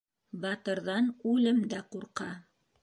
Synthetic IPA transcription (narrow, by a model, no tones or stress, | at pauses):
bɑt̪ɤ̆ɾðɑnʉlɘmd̪æquɾqɑ